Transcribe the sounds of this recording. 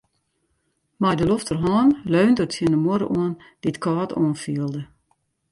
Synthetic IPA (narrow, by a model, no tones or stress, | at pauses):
majdəloftərɦɔːnløːndətʰjiənəmoəɾə̰ʔuən | d̥itkʰɔːtʰṵənfiəlˠdə